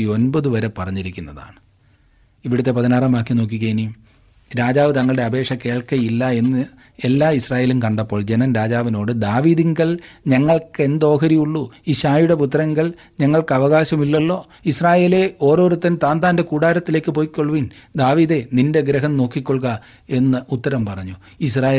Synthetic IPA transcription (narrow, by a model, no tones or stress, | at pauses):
io̞nbɐðɨʋɐɾe̞pɐrɐɲːiɾikʲːunːɐða̰ːɳɨ | iʋiɽut̪ːe̞pɐðinaːrɐmaːkːino̞ːk̬ːikɣɐjinijum | ɾaːd͡ʑaːʋɨt̪ɐŋːɐɭɨɽeɐbe̞ːʂɐke̞ːɭkɐjilːɐe̞nːɨ | elːaːisraːje̞ːlumkɐɳɖɐpːo̞ːɭd͡ʑe̞nɐnɾaːd͡ʑaːʋino̞ːɽɨd̪aːʋiːðiŋɡɐɭɲɐŋːɐɭke̞nd̪o̞ːkɐɾijuɭːuiɕaːjuɽe̞put̪̬ːɐɾɐŋɡɐɭ | ɲɐŋːɐɭkɨɐʋɐɣaːɕɐmilːɐlːo̞ː | israːje̞ːle̞o̞ːɾo̞ːɾut̪ːɐnt̪aːnd̪aːndekuːɽaːɾɐt̪ːile̞ːkːɨpo̞ːjikːo̞ɭʋind̪aːʋiːðe̞ninde̞ɡɾɐɦɐmno̞ːkːikʲːoɭɣɐ | e̞nːɐut̪ːɐɾɐmpɐrɐɲːu | is̬raːje